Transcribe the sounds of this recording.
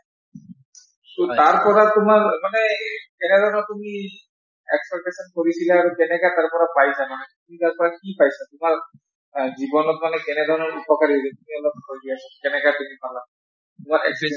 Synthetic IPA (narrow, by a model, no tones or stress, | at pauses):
t̪ot̪aɾpɔɾat̪umaɾmanekened̪ʱɔnat̪umi | ekspek̚ʈeʃɔnkoɾisʰilaɾkenekat̪aɾpɔɾapajsʰamanet̪umit̪aɾpɔɾakipajt͡ɕʰat̪umaɾ | d͡ʑibonot̪̚manekɛned̪ʱɔnɔɾupɔkaɾiɦodet̪umiɔlɔt̪kojd̪iasʰɔɡenekat̪umipala | t̪umaɾɛ̰ks